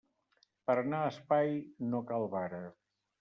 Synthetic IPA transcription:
pəɾənaəspajnokalˠβaɾə

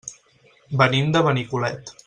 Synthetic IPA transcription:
bənimd̪əβənikulɛt̪

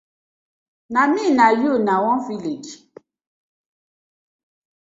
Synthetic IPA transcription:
namĩnajonãwɔ̃viled͡ʒ

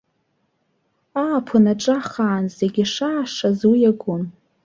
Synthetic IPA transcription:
aːpʰɨnaʈ͡ʂʼaχaːnzeɡʲiʂaːʂazujaɡʷʊn

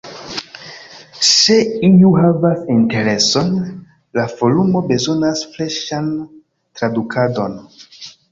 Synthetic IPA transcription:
se̞iuɦavasinte̞ɾe̞so̞n | lavo̞lumo̞be̞zo̞nasfleʃan | tɾadukʰado̞n

